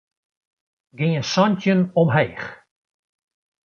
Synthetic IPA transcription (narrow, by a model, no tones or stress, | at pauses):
ɡɪŋəsɔntənɔmɦejχ